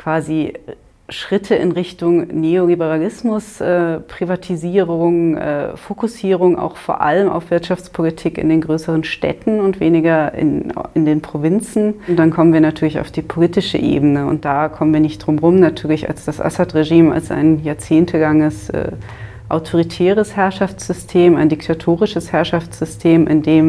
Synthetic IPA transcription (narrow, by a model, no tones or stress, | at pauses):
kv̥aːzi | ʃʁ̥ɪtʰəʔɪ̰nʁɪçtʊŋneːolibəʁalɪsmʊsʔɛːpʁ̥ivatʰiziːʁʊŋʔɛ̰ːfokʊsiːʁʊŋa̰ʊxfoːɐʔa̰ləmʔa̰ʊfv̥ɪɐtʃaft͡spʰolitʰiːkɪ̰ndeːnɡʁøːsəʁ̞ənʃtɛ̰tn̩ʊntv̥eːnɪɡɐɪ̰nʔɪndeːnpʁ̥ovɪnt͡sn̩nd̥ankʰɔmənviːɐnatʰyːɐlɪça̰ʊfd̥iːpʰoliːtɪʃə̰ʔḛːbn̩əʊ̰nt̚d̥aːkʰɔmənviːɐnɪçt̚d̥ʁʊmʁʊmnatʰyːɐlɪça̰lsd̥asʔa̰satʁeʒiːma̰lsa̰ɪnjaːɐt͡seːntʰəlaŋəsʔɛ̰ː | ʔaʊtʰoʁ̞itʰɛːʁ̞əshɛɐʃaft͡sz̥ʏstʰeːmaɪndɪktʰatʰoːʁ̞ɪʃəshɛɐʃaft͡sz̥ʏstʰeːmʔɪ̰ndeːm